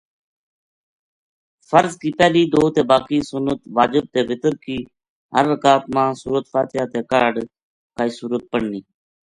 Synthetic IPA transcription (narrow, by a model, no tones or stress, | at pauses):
fəɾzkiːpɛːliːd̪oːt̪eːbaːkiːsʊnət̪ʋaːd͡ʒəb̚t̪eːʋɪt̪əɾkiː | ɦə̰ɾːəkaːt̪mãːsṵːɾət̪faːt̪ɪɦaːt̪eːkaːɖ | kaːiːsuːɾət̪̚pəɳniː